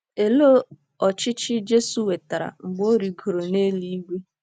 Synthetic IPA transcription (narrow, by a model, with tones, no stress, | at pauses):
e˨lo˦ | ɔ˨t͡ʃɪ˦t͡ʃɪ˦d͡ʒe˦su˨we˨ta˨ɾa̰˨ŋ͡m̩˨ɡ͡bo˦ɾi˨ɡo˨ɾo˨ne˦li˦ɡʷe˦